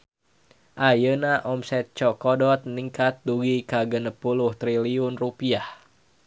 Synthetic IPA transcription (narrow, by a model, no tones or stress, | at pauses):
ʔajənaʔɔmsɛt̪̚t͡ʃɔkɔdɔt̪̚niŋkat̪̚duɡikaɡənəpulʊht̪ɾiliʊnrupiah